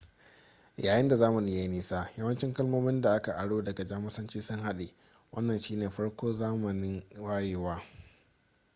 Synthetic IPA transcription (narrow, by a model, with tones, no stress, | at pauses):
jaː˨jɪ˦nda˨zaː˦mɐ˨ni˦ja˦ji˦niː˦saː˦jɐ˦wɐ˦nt͡ʃɪ˦ŋkɐ˦lmoː˦mɪ˦nda˨ʔa˦ka˨ʔa˨ɽoː˦dɐ˨ɡa˨d͡ʒaː˦mɐ˦sɐ˦nt͡ʃiː˦sʊ˦ŋha˦ɗe˨ | wɐ̰˦nːɐ˨nʃiː˦neː˨ɸɐ˦ɽkʷoː˦zaː˦mɐ˨nɪ˦ŋwaː˦jeː˨waː˦